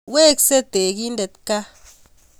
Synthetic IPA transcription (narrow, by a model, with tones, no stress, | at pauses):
we˦kse˦t̪e˨ɡi˦nd̪e˨t̪ka˦